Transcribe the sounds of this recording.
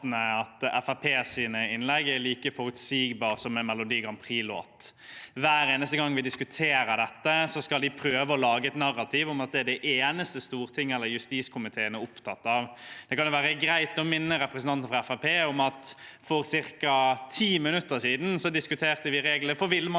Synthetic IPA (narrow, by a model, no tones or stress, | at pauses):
nəɑt̪ɛfæpʰeːsiːnəɪnlɛɡæɾliːkəfɔɾʉt̪siːɡbɑːʁsɔmɛnmɛlʊd̪iːɡɑmpʰʁiːlo̰ːɑt̪ʋæːɾeːnəst̪əɡɑŋːʋɪd̪ɪskʉt̪ʰeːɾəd̪ɛt̪ːəsɔskɑld̪ɪpʰɾøːʋəɔlɑːɡəɛt̪nɑɾːɑt̪ʰiːʋʊmɑt̪̚d̪ɛæɖɛʔeːnəst̪əst̪uːʁt̪ʰɪŋːɛlːəɾjʉst̪iːskʰʊmɪt̪ʰeːənəʊpt̪ʰɑt̪ːɑʋd̪̥ɛkɑnjʊʋæːɾəɡɾæɪt̪ɔmɪnːəɾɛpɾəsənɑnt̪n̩fʁɑɛfæpeːʊmɑt̪fɔɾsɪɾkɑt̪ʰiːmɪnʉt̪ːəsiːd̪n̩sɔd̪ɪskʉt̪ʰeːʁt̪əʋɪɾeːɡləfɔʋɪlm